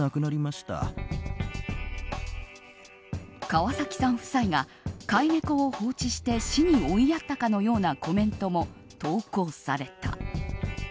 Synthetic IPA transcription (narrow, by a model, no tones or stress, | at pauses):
akɯ̟naɾʲimaɕi̥t̪a̰ | kaβasakʲi̥sãɰ̃ɸɯ̟̥saiɡa | kaiŋekɯoho̞ːt͡ɕiɕi̥t̪e̞ɕiɲ̟io̞ijat̪ːakano̞jo̞ːnako̞mẽ̞nt̪o̞mo̞ | t̪o̞ːko̞ːsaɾe̞t̪a̰